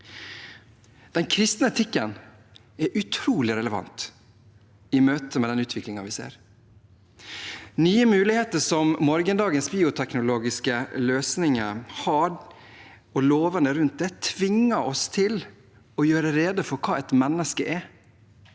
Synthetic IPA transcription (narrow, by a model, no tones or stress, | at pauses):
d̪̥ɛnkʰɾɪst̪nəɛt̪ʰɪkːən | ɛɾʔʉt̪ʰɾuːlɪɾɛləʋɑ̰nt̪ | ɪmøːt̪əmɛd̪ɛnʉːt̪ʰʋɪklɪŋɑʋɪsḛːɾ | nyːəmʉːlɪheːt̪əʂɔmːɔɾɡənd̪ɑːɡənsbiːʊt̪ʰɛknʊloːɡɪskəløːsnɪŋəhɑɾ | ɔloːʋənd̪əɾʉnt̪̚d̪ɛːt̪ʰʋɪŋːəɔst̪ʰɪl | ɔjøːɾəɾeːd̪əfɔɾkʰɑːɛt̪mɛnːəskəʔɛ